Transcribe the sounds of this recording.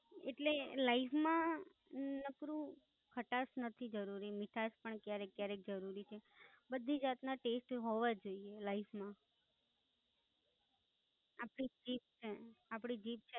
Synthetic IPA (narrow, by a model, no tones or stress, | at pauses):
eʈlelaifmã | nəkɾũ | kʰəʈasnət̪ʰid͡ʒəɾuɾimɪʈʰaspəɳkjaɾekːjaɾek̚d͡ʒəɾuɾit͡ʃʰebəd̪ʱːid͡ʒat̪naʈesʈɦoʋad͡ʒoielaifʰmã | apɽip̚d͡ʒip̚t͡ʃʰeapɽid͡ʒip̚t͡ʃʰe